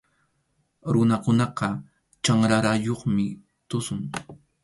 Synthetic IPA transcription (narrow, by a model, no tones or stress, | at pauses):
ɾʊnakʊnɑqɑ | t͡ʃaŋɾaɾajoχmɪ | t̪ʊsʊŋ